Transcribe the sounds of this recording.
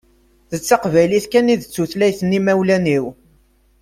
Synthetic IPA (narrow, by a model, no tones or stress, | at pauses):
θət͡sːɑqvæjliθkæniðət͡sːuθlæjθənːimæwlæniw